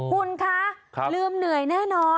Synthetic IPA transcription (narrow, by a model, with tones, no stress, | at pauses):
kʰu˧nkʰa˦˥˩kʰlɯː˧mnɯ˨˩˦əjnɛː˥˩nɔː˧